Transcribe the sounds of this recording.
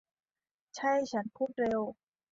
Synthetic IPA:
t͡ɕʰa˥˩jt͡ɕʰa˦˥npʰuː˥˩t̪̚ɾe˧w

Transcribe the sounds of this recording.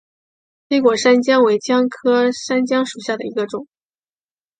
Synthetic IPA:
tʰe˥ɪkwɔ˨˩ʂa˥nt͡ɕjɑ˥ŋwe˧˥ɪt͡ɕjɑ˥ŋkʰɤ˥ʂa˥nt͡ɕjɑ˥ŋʂu˨˩ɕja˥˩d̪ə˩i˧˥ɡə˧ʈ͡ʂʊ˨˩˦ŋ

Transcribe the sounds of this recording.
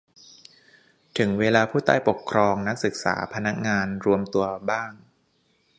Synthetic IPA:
t̪ʰɯ˩˦ŋweː˧laː˧pʰuː˥˩t̪a̰ː˥˩jpo˨˩kʰɾɔː˧ŋna˦˥k̚sɯ˨˩k̚sa̰ː˩˦pʰa˧na˦˥k̚ŋaː˧nɾu˧əmt̪u˧ɐbaː˥˩ŋ

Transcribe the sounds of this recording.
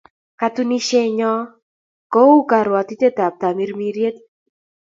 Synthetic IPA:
ka˨t̪u˦ni˦ʃe˦ɲɔ˦ | kɔ˦u˦ka˨ɾwa˨t̪i˦te˦t̪a˨p̚t̪a˨mi˦ɾmi˦ɾje˦t̪

